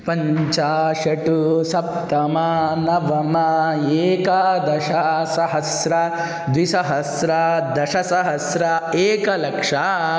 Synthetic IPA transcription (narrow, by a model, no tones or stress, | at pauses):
pɐɲt͡ʃaːʃɐʈusɐp̚t̪ɐmɐnɐʋɐmɐeːkɐd̪ɐʃɐsɐɦɐsɾɐ | d̪ʋisɐɦɐsɾɐd̪ɐʃɐsɐɦɐsɾɐeːkɐlɐkʂa